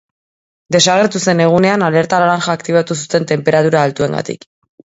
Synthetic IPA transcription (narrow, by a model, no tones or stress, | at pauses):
d̪e̞saɣ̞e̞ɾt̪use̞ne̞ɣ̞une̞anale̞ɾt̪alaɾaŋxaːkt̪iβ̞at̪usut̪e̞nt̪e̞mpe̞ɾat̪uɾaːlt̪ue̞ŋɡa̰t̪ḭk